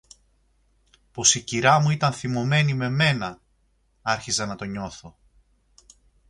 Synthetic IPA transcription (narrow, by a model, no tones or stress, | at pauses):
po̞siciɾɐmuit̪ɐnθimo̞me̞nime̞me̞nɐ | ɐɾçizɐnɐt̪o̞ɲo̞θo̞